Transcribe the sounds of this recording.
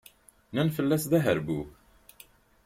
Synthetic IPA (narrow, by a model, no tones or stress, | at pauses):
nænfəlːæsðæɦəɾbuk